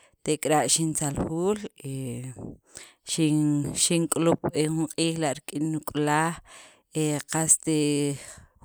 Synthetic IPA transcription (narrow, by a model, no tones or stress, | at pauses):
t̪eʔkʼɾaʔʃint͡salxuːle | ʃiʃiŋkʼulup̚exuɴqʼiːχlaʔɾikʼinːukʼlaːχ | eqast̪e